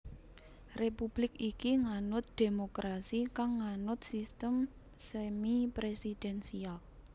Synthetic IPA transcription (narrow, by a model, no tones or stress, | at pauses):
repub̥lɪk̚ikiŋanʊt̪̚d̪̥emokɾasikaŋːanʊt̪̚sist̪əm | semipɾesid̥ɛnsial